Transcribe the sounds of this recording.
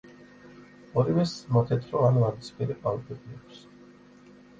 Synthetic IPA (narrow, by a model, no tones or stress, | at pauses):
ɔɾivɛsmɔt̪ʰɛt̪ʰɾɔanvanit̪spʰiɾɛpʼalˠbɛbiɛkʰs